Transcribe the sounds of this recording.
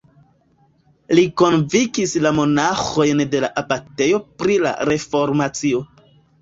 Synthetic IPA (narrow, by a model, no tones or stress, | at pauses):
liko̞nvikislamo̞naxo̞jnde̞laʔapate̞jo̞pɾila̰ɾe̞fo̞ɾmat͡sio̞